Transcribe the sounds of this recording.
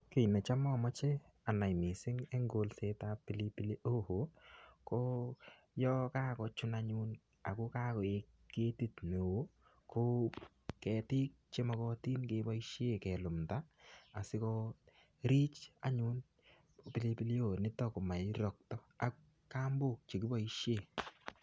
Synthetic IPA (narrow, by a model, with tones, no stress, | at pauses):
ke˨jnɛ˨t͡ʃa˦mɔ˦mɔ˦t͡ʃe˦ | a˨na˨jmi˨sɪ˦ŋe˦ŋɡo˨lse˦ta˦pi˦li˦pi˦li˦ʔo˦ho˨˦ko˦ | jɔ˦ka˦kɔ˧t͡ʃu˦na˦ɲun | a˨ku˦ka˦ko˨e˨ | ke˦ti˦tne˨o˦ | ko˦ | kɛ˨ti˦k̚t͡ʃe˦ma˨kɔ˦ti˦nke˦bɔ˦i˦ʃe˦kɛ˨lu˨mta˦a˨sɪ˦kɔ˦ | ɾi˦t͡ʃa̰˨ɲu˦n | pi˦li˦pi˦li˦o˨nɪ˦tɔ˦ko˨ma˨jɾɔ˨k̚tɔ˦ | a˨k | ka˦mbo˦k̚t͡ʃe˨kɪ˦bɔ˦i˦ʃje˦˨